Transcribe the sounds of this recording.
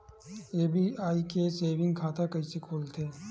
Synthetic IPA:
eːbʱiaːiːkeseːʋɪ̃ŋɡkʰaːt̪akɐisekʰoːlt̪ʰeː

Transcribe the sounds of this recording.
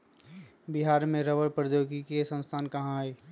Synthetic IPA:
bɪɦaːɾmẽɾəʋəɾpɾəd̪joːɡikesə̃nst̪ʰaːnkɐɦãeː

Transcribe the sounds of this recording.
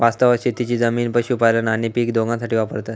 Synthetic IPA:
ʋast̪əʋəɕit̪ːit͡ɕiːd͡zəmiːnpəɕuːpalənañipiːkd̪oɡãsaʈʰiːʋapəɾt̪ə

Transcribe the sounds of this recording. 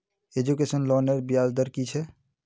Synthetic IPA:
ed͡ʒukesənlɔneɾbijald̪əɾkit͡ʃʰɛ

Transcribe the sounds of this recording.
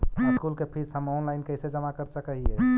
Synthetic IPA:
skulkepʰisəmɔnlaɪnkəɪsed͡ʒəmakəɾsəkəɦiɦɛ

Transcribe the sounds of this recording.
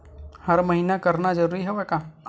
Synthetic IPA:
hɐɾmɐɦiːnakɐɾnad͡ʒəɾuːɾiɦɛʋɛka

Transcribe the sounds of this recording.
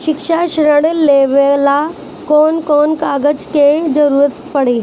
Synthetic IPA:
ʃɪkʃaʃɾəɽleʋela | kɔːnkɔːnkaɡəd͡ʑked͡zəɾuːɾət̪pəɽe

